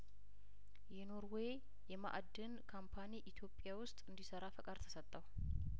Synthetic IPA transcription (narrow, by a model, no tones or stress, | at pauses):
jɛno̞ɾwe | jɛma̰ʔad̪ːɨnkʰampʰaniʔit̪ʰjo̞pʼːjawʊst̪ʼɨnd̪isəɾafəkʼaɾt̪ʰə̥sət̪ʼːəw